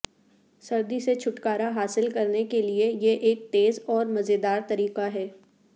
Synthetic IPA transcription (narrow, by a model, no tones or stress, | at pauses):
sɐɾd̪iset͡ʃʰʊʈkaːɾaɦaːsɪlkɐɾnekeliejeʔeːk̚t̪eːzɔːɾmɐzed̪aːɾt̪ɐɾiːqaɦɛː